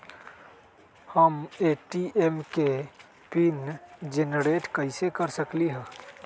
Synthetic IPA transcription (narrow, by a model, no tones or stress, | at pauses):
həmeʈiʔemke | pind͡ʒenɾeʈkəɪsekəɾsəkliɦɛ̃